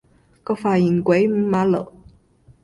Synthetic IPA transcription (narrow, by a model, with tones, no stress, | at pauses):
kɤ˥˩fa˨˩i˨˩ŋkwe˨˧˥ɪm̩˧˥ma˧˥lɤ̰˨˩˦